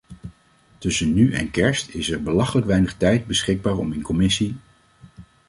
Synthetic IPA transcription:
tɵsənːyʔɛ̰nkɛɹstɪsɛɹbəlɑχələkʋɛjnəχtɛjt̚bəsχɪɡ̚baːɹɔminkɔmɪsi

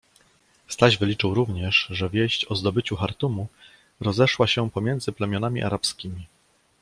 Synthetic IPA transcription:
st̪aʑvɘlʲit͡ʂɘwɾuvɲɛʂʐɛvʲjeɕt͡ɕɔzd̪ɔbɘt͡ɕuxaɾt̪umu | ɾɔzɛʂwaɕɛpɔmʲjɛnd̪zɘplɛmʲjɔnamʲḭʔa̰ɾapskʲimʲi

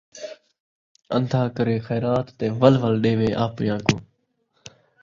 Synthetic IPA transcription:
ənd̪ʱaːkəɾeːxɛːɾaːt̪ːẽːʋəlʋəlɗeːʋeːʔaːpjãːkõ̰ː

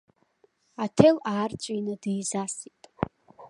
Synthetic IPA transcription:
atʰelaːrt͡ʃʷʼijnɨdiːzasitʼ

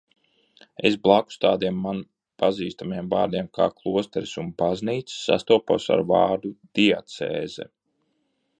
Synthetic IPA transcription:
ḛsblˠaku̥st̪aːd̪iɛmːan | paziːst̪amiɛmva̰ːɾd̪iɛmka̰ːklˠuɔst̪ɛɾsunbazniːt̪ssːa̰st̪uɔpa̰sa̰ɾvaːɾd̪ud̪̥iat̪sḛːzɛ̰

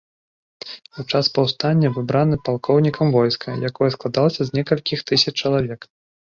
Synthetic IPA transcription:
wt͡ʂaspɐwst̪anʲːɐvɨbɾanɨpalˠkʰɔwnʲikʰɐmvɔjskʰɐjakɔjɐsklˠad̪alˠɐsʲɐzʲnʲɛkɐlʲkʲixt̪ɨsʲɐt͡ʃt͡ʂːɐlˠavʲɛk

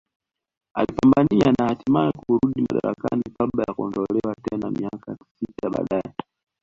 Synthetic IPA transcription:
a̰lipambanianahatimaikuuɾuɗimaɗa̰ɾa̰ka̰nikaɓajakuɔndɔlɛwatɛnamiakasitaɓa̰ɗaɛ

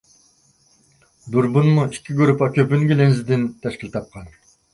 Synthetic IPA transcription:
d̪uɾbunmuiʃkʲiɡøɾypɑkʲøpynɡʲilenzid̪int̪ʰæʃkilʲt̪ʰɑp̚qɑn

